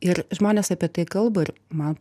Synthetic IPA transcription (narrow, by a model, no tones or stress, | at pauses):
ɪɾʒmoːnʲeːsɐpʲiɛt̪ɐɪkɐlˠbɐɪrmɐn